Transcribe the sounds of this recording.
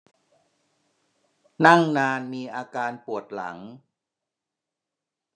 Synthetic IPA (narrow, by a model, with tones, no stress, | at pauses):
na˥˩ŋnaː˧nmiː˧ʔaː˧kaː˧npu˨˩ət̪̚la̰˩˦ŋ